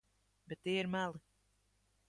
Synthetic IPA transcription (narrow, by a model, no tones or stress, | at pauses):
bɛt̪ːiːiɾmælˠɨ